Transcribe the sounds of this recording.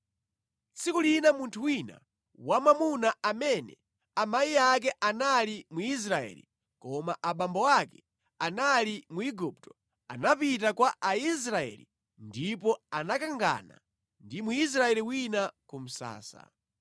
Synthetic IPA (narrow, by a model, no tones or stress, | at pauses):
t͡sikulinamuntʰuwina̰ | wamamunaamɛnɛ̰ | amaiak̬ɛʔanalimuis̬ɾaɛ̰lḭ | kɔmaʔaɓambɔwakɛ | analimuiɡup̚tɔ̥ | anapitakwaʔais̬ɾaɛ̰lḭ | ndipɔanakaŋɡa̰na̰ | ndimuis̬ɾaɛliwinakum̩sa̰ːsa̰